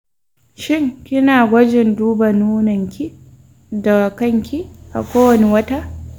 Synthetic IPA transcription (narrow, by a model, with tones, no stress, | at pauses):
ʃɪ˦ŋkʲɪ˦naː˨ɡʷɐ˦d͡ʒɪ˨nduː˦ba˨nuː˦nɐ˨ŋkʲi˦ | dɐ˨ɡa˨kɐ˦ŋkʲi˦ʔa̰˨kʷoː˦wɐ˨ne˦wɐ˦ta˦ʔ